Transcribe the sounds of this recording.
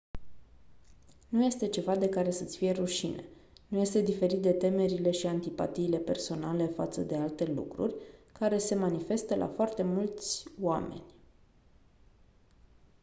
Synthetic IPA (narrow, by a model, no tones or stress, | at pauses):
nuje̞st̪e̞t͡ʃe̞vad̪e̞kaɾe̞sət̪sʲfije̞ruʃḭne̞̰ | nuje̞st̪e̞d̪ife̞ɾit̪̚d̪e̞t̪e̞me̞ɾile̞ʃiant̪ipa̰t̪iːle̞pe̞rso̞nale̞fat̪səd̪e̞alt̪e̞lṵkɾṵrʲkaɾe̞se̞manife̞st̪əlʔa̰foart̪e̞mult̪sʲoame̞̰nʲ